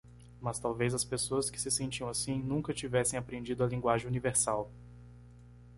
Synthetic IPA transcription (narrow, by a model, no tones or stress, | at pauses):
mɐst̪awvejzɐspesoɐskɪ̥sɪsẽnt͡ʃiɐ̃w̃asĩnũkɐt͡ʃivɛsẽj̃apɾẽnd͡ʒid̪ʊɐlĩŋɡwaʒẽj̃univeɾsaw